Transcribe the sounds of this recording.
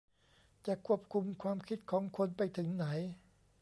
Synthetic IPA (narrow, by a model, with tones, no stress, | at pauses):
t͡ɕa˨˩ʔkʰu˧˥˩əp̚kʰu˧mkʰwaː˧mkʰi˦˥t̪̚kʰɔː˩˦ŋkʰo˧npa˧jt̪ʰɯ˩˦ŋna˩˦j